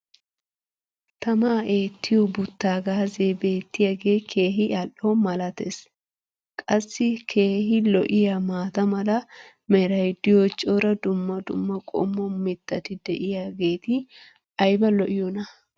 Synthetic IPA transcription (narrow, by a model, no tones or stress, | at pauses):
t̪ɐmaːe̞ːt̪ʰːɪjobʊt̪ːaːɡaːzeːbe̞ːt̪ːɪjaɡe̞ːkʰe̞ːɦɪʔɐlːomɐlɐt̪ḛs | kʼɐsːɪkʰe̞ːɦɪlɔʔɪjamaːt̪ɐmɐlɐ | mɛɾɐjd̪ːɪjot͡ʃʼɔɾɐd̪ʊmːɐd̪ʊ̰mːɐkʼɔ̰mːɔmɪt̪ːɐt̪ɪd̪ɛʔɪjaːɡe̞ːt̪ɪ | ɐjbɐlɔʔɪjɔnɐ